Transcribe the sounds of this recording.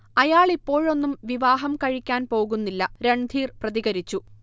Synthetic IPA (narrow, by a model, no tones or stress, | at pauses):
ɐjaːɭipːo̞ːɻo̞nːumʋiʋaːɦɐmkɐɻikʲːaːnpo̞ːɣunːilːɐɾe̞ɳd̪ʱiːrprɐðiɣɐɾit͡ɕːu